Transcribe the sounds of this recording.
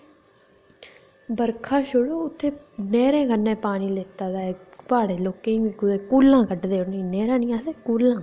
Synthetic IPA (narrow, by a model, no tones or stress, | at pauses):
bəɾkʰaːʃʊɽoːʊt̪ʰːeːnɛːɾẽːkənːẽːpaːniːleːt̪aːd̪aːepaːɽeːloːkẽːikʊd̪eːkuːlːãːkəɖd̪eːʊnĩːnɛːɾãːnɪjãːd̪eːkuːlːãː